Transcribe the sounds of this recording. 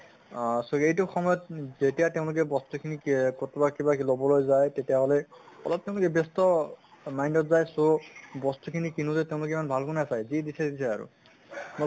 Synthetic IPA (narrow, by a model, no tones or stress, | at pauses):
soejtʊxɔmɔjɔt̚zetijateʊ̃lʊk̬ɛbɔstukʰinikotʰbakibaklobɔlojzajtetijaɦɔlɛɔ̰lɔp̚teʊ̃lʊkɛbestɔ | majndɔtzajsobɔstukʰinikinutɛteʊ̃lʊk̬ɛimanbʱalkunasajziɛdisʰɛdisʰɛa̰ɹʊ̰ | mo